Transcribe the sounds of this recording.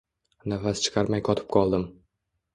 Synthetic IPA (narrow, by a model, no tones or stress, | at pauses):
nafast͡ʃʰɨ̥qʰɑɾmajqʰɒt̪ʰɪ̥p̚qʰɒlˠd̪ɪm